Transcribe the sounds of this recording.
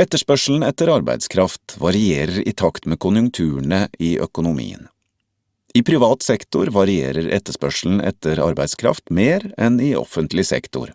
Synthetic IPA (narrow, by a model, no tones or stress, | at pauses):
ɛt̪ːəʂpœʂl̩n̩ɛt̪əɾɑɾbæ̰ɪd̪skʰɾɑft̪ʋɑɾɪeːɾəɾɪ̰t̪ʰɑkt̪meːkʰʊnjʉŋt̪ʰʉːəɳəiːʔœ̰kʊnʊmḭːə̰n | iːpʰɾɪʋɑːt̪sɛkt̪ʊɾʋɑɾɪḛːɾəɾɛ̰t̪ːəʂpœʂl̩n̩ʔɛ̰t̪əɾɑ̰ɾbæɪd̪skʰɾɑ̰ft̪meːɾɛnɪɔ̰fənt̪lɪsɛ̰kt̪ʊ̰ɾ